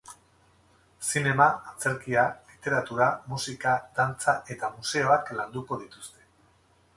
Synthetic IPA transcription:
sine̞maːt͡se̞ɾkialit̪e̞ɾat̪uɾamusikad̪̥ant͡saʔe̞t̪amuse̞o̞akland̪uko̞ð̞it̪u̥st̪e̞̥

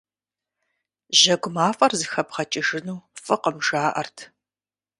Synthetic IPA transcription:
ʑɐɡʷʊmaːfʼɐrzɨxɐpχɐt͡ʃʼɪʒɪnuːfʼɨqəmʒaːʔɐ̰rtʰ

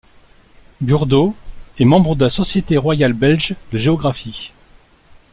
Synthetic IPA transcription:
byʁd̪oɛmɑ̃bʁəd̪əlasɔsjet̪eʁwajalbɛlʒd̪əʒeɔɡʁafi

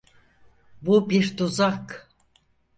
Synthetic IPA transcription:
bubiɾt̪uzak

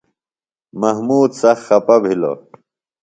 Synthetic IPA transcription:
mɐɦmuːd̪sɐxxɐpɐbʱilo̰

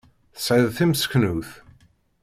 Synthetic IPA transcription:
saðθɪmskʰənuːθ

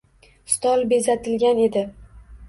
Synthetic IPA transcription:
st̪ɒlˠbe̞zat̪ʰɪlɡʲane̞d̪ɪ

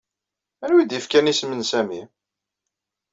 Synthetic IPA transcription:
ænwid̪jifkænismənsæmi

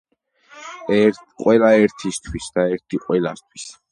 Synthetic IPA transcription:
ɛqʼwɛlaɛɾt̪ʰist̪ʰwisd̪aɛɾt̪ʰiqʼwɛla̰st̪ʰwis

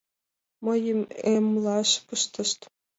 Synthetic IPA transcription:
mɤjəmemlɑʃpɤʃt̪ɤ̆ʃt̪

